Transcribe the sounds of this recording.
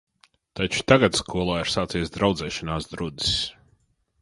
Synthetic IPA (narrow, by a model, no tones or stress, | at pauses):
t̪at͡ʃu̥t̪aɡat̪skʰuɔlˠaːiɾ̥saːt̪sijsd̪ɾawd̪zɛːʃanaːsd̪ɾud̪i̥s